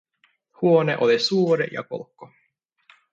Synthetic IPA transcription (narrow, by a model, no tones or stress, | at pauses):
huoneʔolisuːɾejɑ̰ko̰lkːo